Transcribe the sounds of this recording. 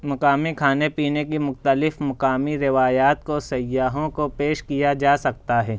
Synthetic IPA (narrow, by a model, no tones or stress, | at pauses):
mɐkaːmikʰaːnepiːnekimʊxt̪əlɪfmɐkaːmiɾɪʋaːjaːt̪kosɐjːaːɦõkopeːʃkijad͡ʒaːsɐk̚t̪aɦɛː